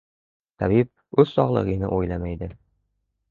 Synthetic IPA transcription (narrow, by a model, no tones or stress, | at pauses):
t̪æβip̚ | ʉzsɒʁlˠɤ̰ʁinɘ̰ʔujlˠɑmæid̪ɘ